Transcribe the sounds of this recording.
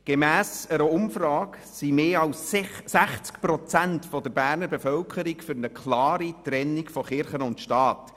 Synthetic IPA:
ɡ̥emæːsəɾəʊmfrɑːk | simeːɑlssæχt͡skpɾɔt͡sæntfɔd̥əɾbæːɾnəɾbefœlkʰəɾikfʏɾnəkʰlɑːɾitɾɛnːikfɔχɪɾχənʊntʃtɑːt

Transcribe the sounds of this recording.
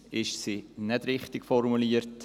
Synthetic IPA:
ɪʃsinɛdɾɪχtɪɡ̥fɔɾmuliəɾt

